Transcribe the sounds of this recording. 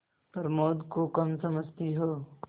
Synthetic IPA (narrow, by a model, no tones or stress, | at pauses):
pɐɾmoːd̪kokɐmsɐməd͡ʒt̪iɦoː